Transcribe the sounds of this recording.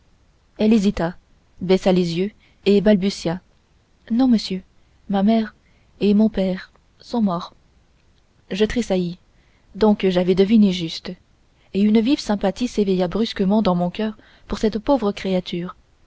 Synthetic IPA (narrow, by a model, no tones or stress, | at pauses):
ɛlezit̪a | bɛsalezjø | ebalbysja | nɔ̃məsjø | mamɛʁ | emɔ̃pɛʁ | sɔ̃mɔʁ | ʒət̪χesaji | d̪ɔ̃kʒavɛd̪əvineʒyst̪ | eynvivsɛ̃pat̪isevɛjabʁyskəmɑ̃d̪ɑ̃mɔ̃kʲœʁ | puʁsɛt̪povʁəkχeat̪ʰyːʁ